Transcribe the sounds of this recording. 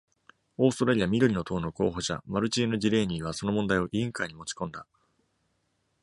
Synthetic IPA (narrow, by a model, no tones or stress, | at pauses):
o̞ːst̪oɾaɾʲiamʲid̪oɾʲino̞t̪ʰo̞ːno̞ko̰ːɦo̞ɕa̰maɾɯ̟t͡ɕiːno̞ʑiɾe̞ːɲ̟iːβ̞aso̞nomond̪aio̞ʔiĩŋkaiɲ̟imo̞t͡ɕi̥kõ̞nd̪a